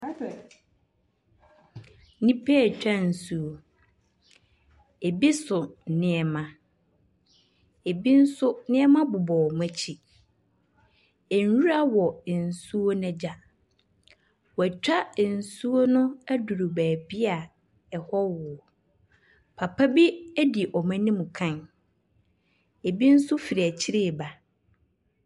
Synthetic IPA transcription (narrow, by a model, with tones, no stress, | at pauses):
nĩ˦pʰe˦ɛ˨t͡ɕᶣã˦n̩˨su˦o˦ | e˨bi˦sʊ˨nɪ̃˦ɛ˨mã˨ | e˨bi˦n̩˦sʊ˦nɪ̃˦ɛ˦mã˦bʊ˨bɔː˨m˦æ˦˨t͡ɕʰi˦ | e˨n˨ɥu˦ɾa˦wɔ˨n̩˨su˦o˦nɛ̃˦d͡ʑa˦ | wæ˨t͡ɕᶣa˦˨n̩˨su˦o˦nʊ̃˦æ˦du˨ɾu˨bæː˨bi˦a˨ | ɛ˨hɔ˦wʊ˨ɔ˨ | pʰa˨pʰa˦bi˦æ˦di˨ʔɔ˨mã˦nĩ˦mʊ̃˨kʰã˦˨n | e˨bi˦n̩˦sʊ˦fi˨ɾi˨æ˨t͡ɕʰi˦ɾe˦˨ba˨